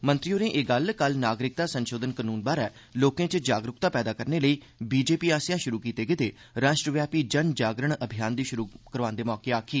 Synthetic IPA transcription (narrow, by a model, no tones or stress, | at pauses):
mənt̪ɾijoːnẽːʔeːɡəlkəlnaːɡɾɪk̚d̪aːsənʃoːd̪ənkənuːnbaːɾɛː | loːkẽːt͡ʃd͡ʒaːɡɾʊkt̪aːpɛːd̪aːkəɾneːləiː | biːd͡ʒeːpiːaːsjãːʃʊɾuːkiːt̪eːɡɪt̪eː | ɾaːʃʈɾəʋjaːpiːd͡ʒənd͡ʒaːɡɾəɳəbʱɪjaːnd̪iːʃʊɾuːkəɾʋãːnd̪eːmɔːkeːaːkʰiː